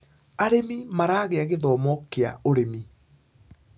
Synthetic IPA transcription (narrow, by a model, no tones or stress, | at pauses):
aɾemimaɾaːɣeaɣeðɔːmɔkeaoɾemi